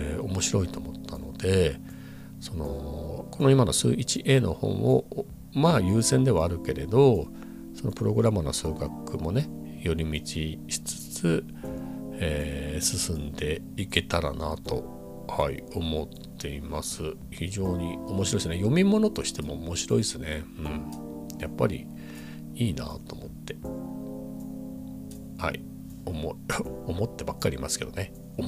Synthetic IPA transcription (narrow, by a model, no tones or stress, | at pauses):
o̞mo̞ɕiɾo̞it̪o̞ːmo̞t̪ʰːano̞d̪̥e̞ | so̞no̞̰ko̞no̞imano̞sɨ̰ːit͡ɕiʔe̞ːno̞̰hõ̞̰ɰ̃ʔo̞̰ | majɯ̟ːsẽ̞nd̪e̞βaːɾɯ̟ke̞ɾe̞d̪o̞ | so̞no̞pɯ̟ɾo̞ɡɯ̟ɾamano̞̰sɨːɡakːɯmo̞ne̞ | jo̞ɾʲimʲit͡ɕiɕi̥t͡sɨ̥t͡sɨ | eːsɨsɨ̃nd̪e̞ | ike̞t̪aɾa̰nat̪o̞̰ | haio̞mo̞t̪ːe̞imasɨ | çiʑo̞ːɲ̟io̞moɕiɾo̞isɨnejo̞mʲimo̞no̞t̪o̞ɕi̥t̪e̞mo̞ːmo̞ɕiɾo̞isɨne̞ɯ̟̃ɴ | japːaɾʲḭ | iːna̰t̪o̞ːmo̞̰t̪ːe̞ | ha̰ḭ | omoomo̞t̪ːe̞bakːaɾʲimasɨ̥ke̞d̪o̞ne̞ | o